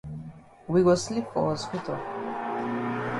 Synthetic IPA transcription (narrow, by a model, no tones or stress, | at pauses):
wiɡɔslipʰɔ̰skʰit̪ʰɔ